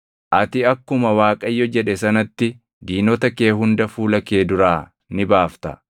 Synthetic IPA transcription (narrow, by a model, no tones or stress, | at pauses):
ʔɐt̪ɪɐkːʊmɐwaːkʼɐjːɔd͡ʒɛᶑɛsɐnɐt̪ːɪ | d̪iːnɔt̪ɐkeːɦʊnd̪ɐfuːlɐke̞ːd̪ʊɾaː | nɪbaːft̪ɐ̰